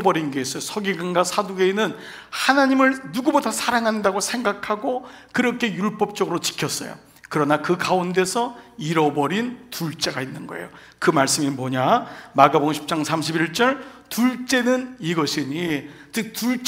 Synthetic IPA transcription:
bʌɾinɡeis͈ʌjosʰʌɡiɡɯnɡasʰaduɡe̞inɯn | hanaɲimɯɭnuɡubodasʰaɾaŋɦandaɡosʰe̞ŋɡakʰaɡokɯɾʌkʰe̞juɭp͈ʌp̚t͡ɕ͈ʌɡɯɾot͡ɕi̥kʰjʌs͈ʌ̰jo̰ | kɯɾʌnakɯkaunde̞sʰʌiɾʌbʌɾintuɭt͡ɕ͈e̞ɡainːɯnɡʌ̰ḛjo | kɯmaɭs͈ɯmimoɲamaɡaboŋɕʰi̥p̚t͡ɕ͈aŋsʰamɕʰibiɭt͡ɕ͈ʌɭtuɭt͡ɕ͈e̞nɯniɡʌɕʰiɲit͡ɕɯk̚tuɭt͡ɕ

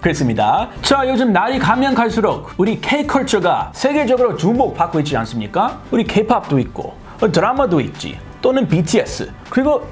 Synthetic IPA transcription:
kɯɾes̬͈ɯmɲidat͡ɕʌjod͡ʑɯmnaɾikamjʌnkʰaɭs͈uɾok̚uɾikʰeikʰʌɭt͡ɕʰɯɡasʰe̞ɡe̞d͡ʑʌɡɯɾot͡ɕumok̚p͈ak͈oit̚t͡ɕ͈ians͈ɯmɲik͈auɾikʰe̞pʰap̚t͈oit̚k͈o̰ | ʌdɯɾamadoit̚t͡ɕ͈ḭ | t͈onɯnpitʰies͈ɯ̰ | kɯɾiɡo

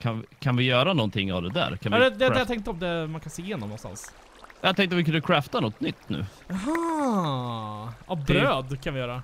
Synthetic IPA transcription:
kʰanvɪkʰanvɪjœːɾanɔnt̪ɪŋːa̰vd̪ɛd̪æ̰ːɾkʰanːd̪ɛd̪ɛd̪ɛjat̪ɛŋk̚t̪əɔmd̪ɛmankʰanseːjeːnɔmnɔ̰nt̪a̰ns | jat̪ɛ̃ŋkt̪əvɪkɵnd̪əkʰɾɛːft̪anɔt̪ːnʏt̪ːnʉ̟̰ː | ɦɑː | abɾøːd̪kʰanvɪjœːɾa

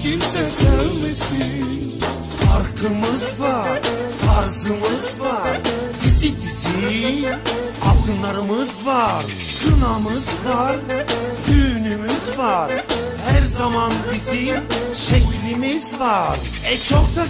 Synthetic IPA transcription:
cʰimsɛsæɾmisi | faɾkʰɯmɯzvaɾfaɾzɯmɯzvaɾ | izit̪ʰisi | a̰t̪ʰɯnlˠaɾɯmɯzvaɾ | kʰɯnamɯzvaɾhyːnymyzvaɾ | hæɾzamanbiziʃeclʲimizvaɾ | ɛt͡ʃʰok̚t̪ʰa

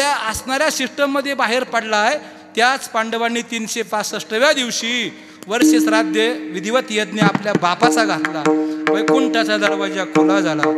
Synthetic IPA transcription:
jaəsnaɾjaɕiʂʈəmːəd̪ʱːjebaɦeɾpəɽlae | t̪jat͡spaɳɖəʋanːiːt̪iːnɕepat͡səʂʈəʋjad̪iʋɕiː | ʋəɾɕit͡sɾad̪jəʋid̪ʱiʋət̪jed̪niapljabapat͡saɡʱat̪laʋə̃jkoɳʈat͡sad̪əɾʋad͡ʑjakʰulad͡zʱala

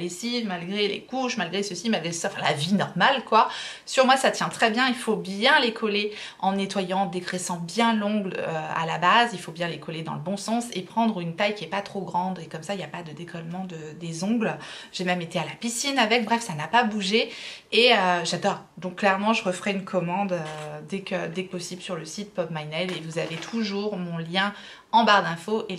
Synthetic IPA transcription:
lesimalɡʁelḛkuʃmalɡʁesəsimalɡʁesaɑ̃fɛ̃la̰vinɔʁmalkwasyʁmwasat̪jɛ̃t̪χɛbjɛ̃ilfobjɛ̃lekʰɔleɑ̃net̪wajɑ̃d̪eɡʁesɑ̃bjɛ̃lɔ̃ɡløa̰labazilfobjɛ̃lekɔled̪ɑ̰̃ləbɔ̃sɑ̃sepχɑ̃d̪ʁynt̪ajkʲiɛpat̪χoɡʁɑ̃d̪ekɔmsailjapad̪əd̪ekʰɔlmɑ̃d̪əd̪ezɔ̃ɡlʒ̥emɛmet̪ealapisinavɛk̚bʁɛfsanapabuʒeː | øʒad̪ɔːʁ | d̪ɔ̃kːlɛʁmɑ̃ʒəʁəfəʁɛynkʰɔmɑ̃d̪ød̪ɛkød̪ɛk̚pɔsiblsyʁləsit̪pɔpmajnɛlevuzavet̪ʰuʒuʁmɔ̃ljɛ̃ | ɑ̃baʁd̪ɛ̃foʔe

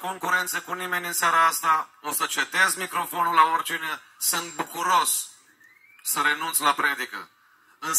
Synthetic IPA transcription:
ko̞ŋkuɾe̞nt̪səkunime̞nʲɨnsaɾaast̪aosət͡ʃed̪ezmikɾo̞fo̞nulaort͡ʃine | sɨnt̪̚bukuɾo̞s | səɾe̞nunt̪slapɾe̞d̪ikə̰ | ɨn

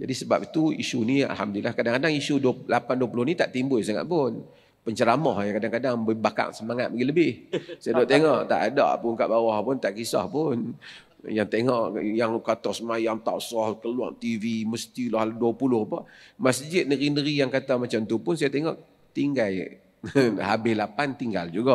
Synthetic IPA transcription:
d͡ʒadisəba̰pit̪uisunia̰lɦamdulilahkadaŋkadaŋisudlapanduəpulʊhnit̪aʔt̪imbʊjsaŋa̰ʔ̪̚pʊn | pəɲt͡ʃəɾamɔhakadaŋkadaŋbəbaka̰ŋsəmaŋat̪̚maɡiləbɪhsajadɔʔt̪eŋɔʔt̪a̰ʔada̰ʔpʊnka̰ʔbawɔhpʊnt̪aʔkisɔ̰hpʊn | jaŋt̪eŋɔʔjaŋkat̪ɔsəmajaŋt̪a̰ʔsɔhkəlwa̰ŋt̪iviməst̪ilɔhlduəpulʊhpɔʔmasd͡ʒɪt̪̚nəɾinəɾijaŋkat̪amat͡ʃamt̪upʊnsajat̪eŋɔʔ | t̪iŋɡal | habɪhlapant̪iŋɡald͡ʒuɡɔʔ

